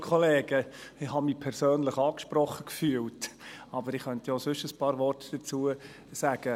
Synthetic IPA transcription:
kʰɔleːɡ̥əɪhɑmiːpʰɛɾsøːnləχɑːkʃpɾɔχəkfyːəltɑbəɾɪχχœntjɔsʏʃəspɑːɾvɔrtd̥ət͡suə | sæɡ̥ə

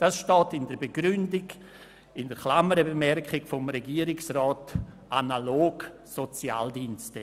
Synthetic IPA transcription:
d̥asʃtɔːtɪndəɾbəɡɾʏndɪɡ | ɪndəɾkʰlaməɾəbemɛɾkχɪɡfɔmɾeɡiːɾɪksrɔːt | ʔanaloːɡ | sot͡sja̰ːldinstə

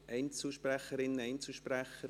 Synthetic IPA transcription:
ʔɛɪnt͡səlʃpræχəɾɪnəɛɪnt͡sl̩ʃpræχə

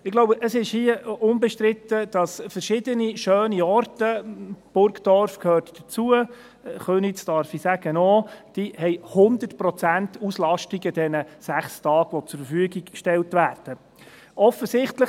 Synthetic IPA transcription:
ɪɡ̥loʊbəʔəsɪʃhiəʊnbɛʃtɾɪt̪ːəd̥ɑsfəɾʃɪd̥əniʃøːniɔrtəb̥ʊɾkd̥ɔɾfkʰhøːɾtd̥ət͡suə | χøːnisd̥ɑɾfisæɡənoːd̥ihɛɪhʊnd̪ətpɾɔt͡sæntuslɑʃtiɡəd̥ɛnəsæχstɑːɡʋɔt͡sʊɾfəɾfyːəɡikʃtɛltʋæːrd̥ə | ʔɔfəsɪχtlə

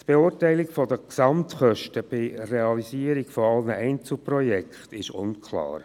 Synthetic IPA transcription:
t̪b̥eʊːɾtɛɪlikfɔd̪əksɑmt̪χœʃtəb̥ɪreɑlisiːəɾikfɔɑlnəʔɛɪnt͡sl̩ˠprɔjɛkχt̪ɪʃʊ̰nkʰlɑ̰ːɾ

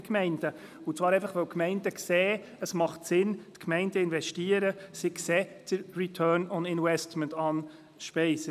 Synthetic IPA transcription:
kmɛɪnd̥ə | ʊt͡sʋɑːɾɛɪfɑχʋɛwkʰmɛɪndəksɛː | əsmɑχtsɪntkʰmɛɪndəɪnvɛʃtiəɾəsɪksɛːt͡səritʰœːnɔndɪnwɛstməntɑːn | ʃpɛɪsə

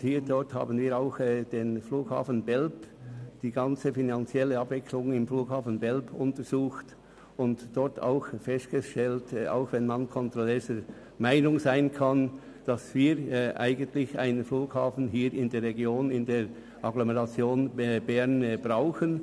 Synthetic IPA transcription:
hiːɾdɔɾtha̰ːbənviːɾaʊxɛd̥eːnfluːɡ̥ha̰ːfən̩bɛlpd̥iːɡɑnt͡səfinant͡sjɛləɑbvɪkʰlʊŋɪmfluːkhaːfən̩bɛlpʊntəz̥uːxt | ʊntd̥ɔɾtʰa̰ʊxfɛstɡ̥əʃtɛlta̰ʊxvɛnmankʰɔntʁɔlɛːzə | maɪnʊŋzaɪnkʰɑn | d̥ɑsv̥iːɾʔa̰ɪɡəntlɪça̰ɪnfluːkhaːfn̩ɦiːɾɪndeːɾʁɛɡjoːnɪndeːɾ | ʔɑɡloməʁɑt͡sjoːnɛbɛʁnb̥ʁaʊxən

